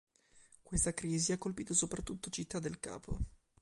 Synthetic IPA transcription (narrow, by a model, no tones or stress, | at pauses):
kwest̪akɾiːziakːolpiːt̪osopɾat̪ːut̪ːot͡ʃit̪ːad̪ːelka̰ːpʰo̰